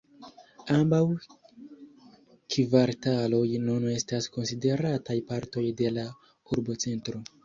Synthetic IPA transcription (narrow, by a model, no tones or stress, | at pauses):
ambaw | kʰivaɾtalo̞jnune̞stasko̞nside̞ɾatajpaɾto̞jde̞la | uɾbo̞t͡se̞ntɾo